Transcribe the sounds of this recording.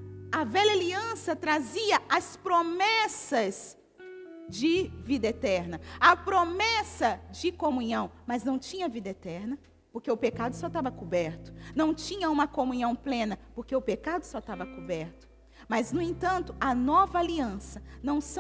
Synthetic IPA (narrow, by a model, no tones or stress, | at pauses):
ɐvɛʎɐaliɐ̃sɐt̪ɾaziɐʔɐspɾomɛsɐz | d͡ʒɪvid̪ɐet̪ɛɾnɐɐpɾomɛsɐd͡ʒɪkomũɲɐ̃w̃mɐznɐ̃w̃t͡ʃĩɲɐvid̪ɐet̪ɛɾnɐ | poɾkeʊpekad̪ʊsɔt̪avɐkubɛɾt̪ʊ̥nɐ̃w̃t͡ʃĩɲɐũmɐkomũɲɐ̃w̃plẽnɐpoɾkeʊpekad̪ʊsɔt̪avɐkubɛɾt̪ʊ̥ | mɐznʊẽnt̪ɐ̃nt̪ʊɐnɔvɐaliɐ̃sɐnɐ̃w̃s